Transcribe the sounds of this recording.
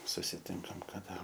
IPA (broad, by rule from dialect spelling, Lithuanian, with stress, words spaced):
sʊsʲɪˈtʲɪŋkɐm kɐˈdɐ